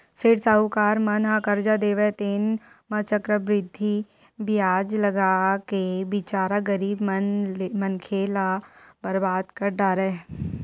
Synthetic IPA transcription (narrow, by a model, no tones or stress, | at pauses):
seːɽsaukaːɾmɐnɦãkɐɾd͡ʒad̪eːʋɛt̪eːn | mɐt͡ʃəkɾəbɾɪd̪ʱːi | bɪjaːd͡ʒlɐɡaːkebɪt͡ʃaːɾaɡəɾiːbmənmɐnkʰeːlabəɾbaːd̪kɐɖaːɾɛ